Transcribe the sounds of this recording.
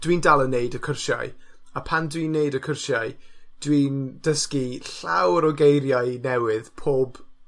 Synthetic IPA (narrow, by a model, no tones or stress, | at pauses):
d̥windalˠəneɨdəkʰərʃa̰j | apʰandwiːnːeɨdəkʰʊrʃaɨd̥wiːnd̥əskiɬa̰wəɾɔɡejɾjaɨnɛwɪðpʰoːb